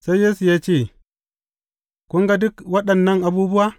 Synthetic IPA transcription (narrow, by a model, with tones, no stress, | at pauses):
sa˦jːeː˦su˨jaː˦t͡ʃeː˦˨ | kʷʊ˦ŋɡa˦dʊ˦kwɐ˦ɗɐ˨nːɐ˦ŋʔa˨buː˦bʊ˦waː˦